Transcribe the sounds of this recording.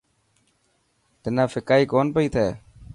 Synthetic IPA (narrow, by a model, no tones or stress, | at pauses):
t̪ɪnãːfʰɪkaːiːkoːnpəiːt̪ʰɛː